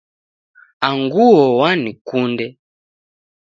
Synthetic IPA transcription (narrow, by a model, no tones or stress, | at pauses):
aŋɡuɔwanikundɛ